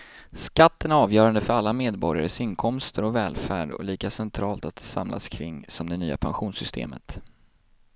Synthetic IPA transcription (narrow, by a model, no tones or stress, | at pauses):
skat̪ːənæɾɑːvjœːɾand̪əfœɾalːameːd̪bɔɾja̰ɾəsɪnkʰɔmst̪əɾɔvɛːlfæːɖɔ̰liːkasɛnt̪ʰɾɑːlt̪at̪sa̰mlʔa̰skʰɾɪŋːsɔmd̪ɛnyːa̰pʰanɧuːnsʏst̪ʰḛːmə̰t̪